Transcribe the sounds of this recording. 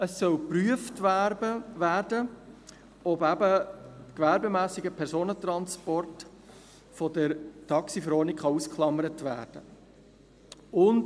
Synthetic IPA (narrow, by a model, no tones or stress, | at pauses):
əsːœlpryəftəʋæːɾdə | ɔbæbəkvæɾbemæːsɪɡəpʰɛɾsoːnət̪ɾɑnspɔrt | fɔdəɾtʰɑksifɾɔːnikχɑuskχlˠɑməɾətvæːɾd̥ə | ʊnd